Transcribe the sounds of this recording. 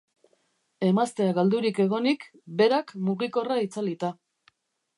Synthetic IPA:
e̞mast̪e̞aɣald̪uɾike̞ɣo̞nikbe̞ɾakmuɣiko̞rait͡salit̪a

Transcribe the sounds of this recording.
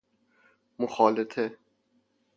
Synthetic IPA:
moxɒːlet̪ʰe

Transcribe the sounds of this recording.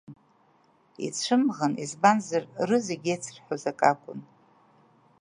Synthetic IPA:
ḭt͡sʷʰɨmʁanizbanzarrɨzeɡʲejt͡sʰɨrħʷᶣazakʼakʷʼʊ̰n

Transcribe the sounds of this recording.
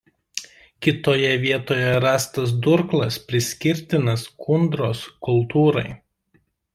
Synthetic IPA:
kʲɪt̪oːjɛʋʲiɛt̪oːjɛɾɑːst̪ɐs̬d̪ʊɾklˠɐspʲɾʲɪsʲkʲɪɾʲt̪ʲɪnɐskʰʊnd̪ɾoːskʊlˠt̪uːɾɐɪ

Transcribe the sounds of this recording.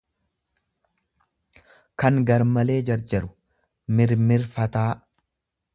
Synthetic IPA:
kɐŋɡɐɾmɐle̞ːd͡ʒɐɾd͡ʒɐɾʊ̥ | mɪɾmɪɾfɐt̪aː

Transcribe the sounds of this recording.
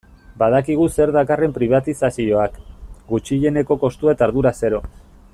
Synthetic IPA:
bað̞akiɣ̞use̞ɾðakare̞mpɾiβ̞at̪isasio̞akɡut͡ʃiʎe̞ne̞ko̞ko̞st̪ue̞t̪aɾðuɾase̞ɾo̞

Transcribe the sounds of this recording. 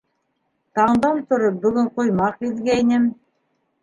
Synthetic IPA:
t̪ɑɴd̪ɑmt̪ŏɾop̚bɵ̆ɡɵɴqŏjmɑqiðɡæjnɘm

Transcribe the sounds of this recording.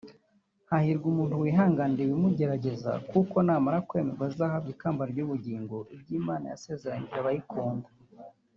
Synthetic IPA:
hahiɾɡumuːntuwiɦaːŋɡandewimuɟe̞ɾaɟe̞za̰kuko̞naːmaɾakwe̞ːmeɾɡwazizaːhaβɡiːkaːmbaɾɟuβuɟiːŋɡo̞ʔibɟiːmaːna̰ja̰se̞ːze̞ɾaɲiɾaβajikʰoːndḁ

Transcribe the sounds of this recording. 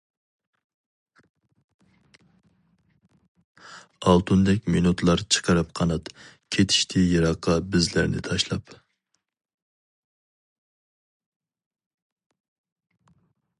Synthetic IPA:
ɑlˠt̪ʰund̪ɛkʲminut̪ʰlˠɑɾt͡ʃʰə̥qʰəɾɨp̚qʰɑnɑt̪kʲʰet̪ʰi̥ʃt̪ʰɪjɑɾɑqʰːɑbɪzlæɾnɪ̰t̪ʰɑʃlˠɑp

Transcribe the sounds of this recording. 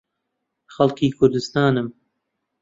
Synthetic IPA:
xɐlˠkʰiːkʰʊɾd̪ɨst̪ɑːnɨm

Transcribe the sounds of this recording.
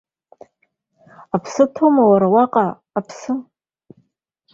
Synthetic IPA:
apʰsɨtʰomawaɾawaqʼaː | pʰsɨm

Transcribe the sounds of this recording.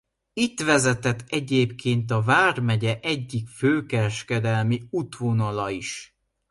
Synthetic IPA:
it̪ʋɛzɛt̪ɛt̪ːɛɟeːpkʰeːnt̪̬ɒvaːrmɛɟɛʔɛɟːikføːkɛɾɛʃkɛd̪ɛlmiut̪ʋonɒlɒiʃ

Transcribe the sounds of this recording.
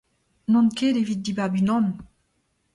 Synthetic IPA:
nɔ̃nkelevit̪̚d̪ibaʁbynɔ̃n

